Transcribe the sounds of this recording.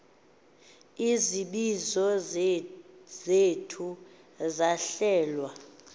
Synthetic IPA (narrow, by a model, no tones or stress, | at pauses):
iziɓizɔ | zetʰu | zaɬɛːlwa